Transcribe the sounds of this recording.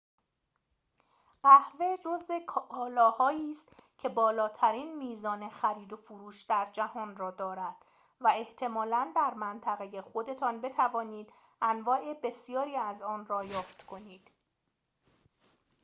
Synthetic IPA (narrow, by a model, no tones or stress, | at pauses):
ɢæhve̞d͡ʒoze̞kʰɒːlɒːhɒːiːst̪cʰe̞bɒːlɒːt̪ʰæɾiːnmiːzɒːne̞xæɾiːd̪o̞fuɾuːʃd̪æɾd͡ʒæhɒːnrɒːd̪ɒːɾæd̪̥ | væe̞ht̪ʰe̞mɒːlænd̪æɾmænt̪ʰæɣe̞je̞χo̞d̪e̞t̪ʰɒnbe̞t̪ʰævɒːniːd̪ | ænvɒːʔe̞be̞sjɒːɾiːæzɒːnrɒːjɒːft̪kʰo̞niːd̪̥